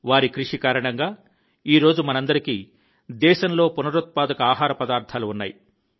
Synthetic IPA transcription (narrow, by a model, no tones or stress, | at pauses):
ʋaːɾikɾiʂikaːɾɐɳɐŋɡaː | iːɾo̞ːd͡ʒumɐnɐnd̪ɐɾiki | d̪ɛːʃɐnlo̞ːpunɐɾut̪̚paːd̪ɐkɐaːɦaːɾɐpɐd̪aːɾt̪ʰaːluunːa̰ːji